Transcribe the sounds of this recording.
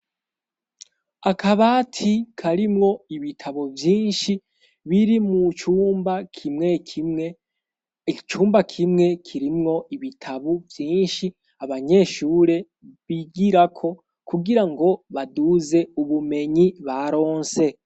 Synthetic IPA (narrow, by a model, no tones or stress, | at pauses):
akʰaβaːtʰikʰaɾimŋo̞iβitʰaβovjiːnʃi | βiɾimut͡ʃuːmbakʰimŋe̞e | t͡ʃuːmbakʰimŋe̞kʰiɾimŋo̞iβitʰaβuvjiːnʃi | aβaɲe̞ʃuːɾe̞ | βiɡiɾakʰo̞ | kuɡiɾaŋɡo̞βaduze̞uβume̞ɲiβaɾo̞ːnse̞